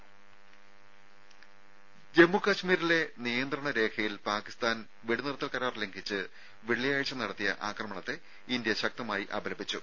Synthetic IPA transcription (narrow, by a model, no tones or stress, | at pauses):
d͡ʑe̞mːukɐɕmiːɾile̞nijɐnd̪rɐɳɐɾe̞ːkʰɐjilpaːki̥st̪aːn | ʋiɽunirut̪ːɐlkɐɾaːrleŋɡʱit͡ɕːɨ | ʋiɭːijaːjt͡ɕːɐnɐɽɐt̪ːijɐ̰ʔaːkrɐmɐɳɐt̪ːe | ind̪jɐɕɐk̚t̪ɐmaːjiʔɐbɐlɐbit͡ɕːu